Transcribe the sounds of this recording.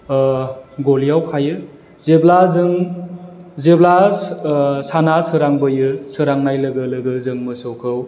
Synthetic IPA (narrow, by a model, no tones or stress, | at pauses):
ɡolijawkʰajɯ | zeblazɯŋ | zebla | sanasɯɾaŋbɯjɯsɯɾaŋnajlɯɡɯlɯɡɯzɯŋmɯsɯwkʰɯw